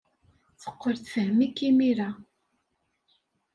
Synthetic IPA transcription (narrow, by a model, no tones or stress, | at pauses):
θə̥qːəɾθθəhmikːimiɾa